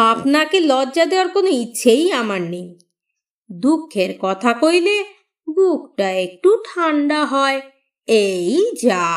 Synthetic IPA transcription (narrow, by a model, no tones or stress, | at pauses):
apnakelɔdʑad̪ewaɾkonoitːɕʰejamaɾnej | d̪ukʰːeɾkɔt̪ʰakojle | bukʈaek̚ʈuʈʰaɳɖaɦɔe | ejd͡ʑa